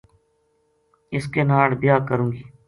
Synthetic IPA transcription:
ɪskeːnaːɽbɪjaːkəɾũːɡiː

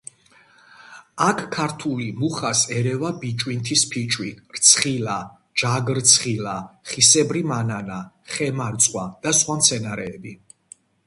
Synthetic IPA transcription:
akʰkʰːaɾt̪ʰulimuχasɛɾɛvabit͡ʃʼwint̪ʰispʰit͡ʃʼwiɾt̪sʰχila | d͡ʒaɡɾt̪sʰχilaχisɛbɾimanana | χɛmaɾt̪sʼqʼwad̪̥asχwamt̪sʰɛnaɾɛːbi

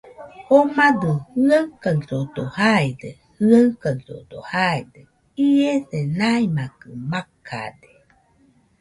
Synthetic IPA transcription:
omad̪ɯhɯakasod̪ohaede | hɯakaso̰d̪̥o̰haed̪e | ieθenaimakɯmakʰa̰de̥

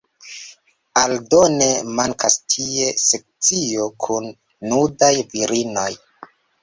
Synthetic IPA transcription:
aldo̞ne̞maŋkʰastʰie̞sek̚t͡sio̞kʰunː | udajviɾino̞j

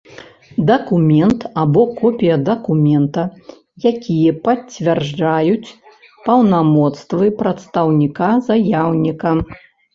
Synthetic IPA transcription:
d̪ɐkumʲɛnt̪abɔkɔpʲijɐd̪ɐkumʲɛnt̪ɐ | jakʲʰijɐpɐt͡sʲːvʲɛrʐd͡ʐajut͡sʲ | pɐwnamɔt̪st̪vɨpɾɐt̪st̪ɐwnʲikazajawnʲikɐm

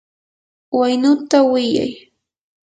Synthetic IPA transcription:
wajnʊt̪awɪja̰j

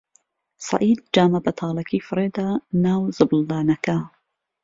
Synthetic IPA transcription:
sɑ̰ʔiːd̪̚d͡ʒaːmɐbɐt̪ʰɑːlɐkiːfɨɾeːd̪aːnaːwzɨbɨld̪aːnɐkɐ

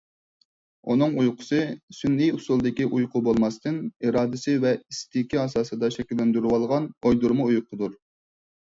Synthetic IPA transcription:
unɨŋujqʰʊ̥sɨsynːijusulˠd̪ɪkʲiʔujqʰʊbolˠmɑst̪ɨniɾɑːd̪ɪsɪvɛist̪ɪkʲiɑsɑːsɨd̪ɑʃɛkʲilːɛnd̪yɾwɑlˠʁɑnojd̪uɾmuujqʰʊd̪uɾ

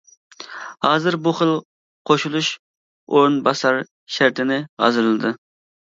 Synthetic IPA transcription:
hɑːzɨɾbuχəlˠ | qʰoʃulˠuʃ | oɾunbɑsɑɾ | ʃæɾt̪ʰɪnɪʁɑ̰zɨɾɨlˠɨd̪ɨ

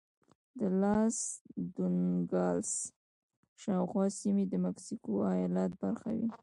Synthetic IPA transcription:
d̪əlɑsd̪uŋɡɑls | ʃɑwxwɑsimed̪əmaksikoajɑlat̪̚baɾxa̰wḭ

